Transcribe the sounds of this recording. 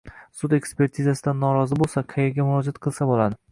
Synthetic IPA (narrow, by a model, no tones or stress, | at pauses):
sʊd̪e̞kspe̞ɾt̪ʰizasɪd̪anːɒɾɒzɪbolˠsaqʰejeɾɡʲamʊɾɒd͡ʒat̪qʰɨlˠsabolˠad̪ɪ